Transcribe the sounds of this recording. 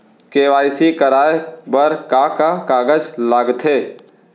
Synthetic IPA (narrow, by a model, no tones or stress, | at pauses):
keːʋaːɪsikəɾaːebəɾkakakaːɡəd͡ʒlaɡt̪ʰeː